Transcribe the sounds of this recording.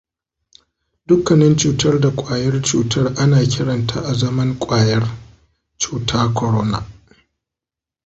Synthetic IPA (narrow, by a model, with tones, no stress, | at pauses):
d̥ʊ˦kːɐ˨nɛ˦nt͡ʃuː˨tɐ˦rda˨kʷʼaː˨jɐ˦rt͡ʃuː˨tʰɐ˦rʔa˦naː˨kʲɪ˦ɽɐ˨nta̰˦ʔa˨zɐ˦mɐ˦ŋkʷʼaː˨jɐ˦r | t͡ʃuː˦˨tʰaː˦kʷɔ˨ɾɔ˦na̰˦˨